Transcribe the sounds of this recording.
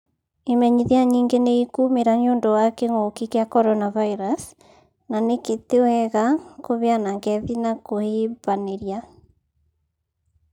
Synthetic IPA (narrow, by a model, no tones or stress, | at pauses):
emɛɲiðeaɲiːŋɡeneikumeɾaɲoːndɔwakeŋokikeakɔɾɔnavaiɾas | naneketewɛɣakoβeanaŋɡɛðinakoheːbaneɾia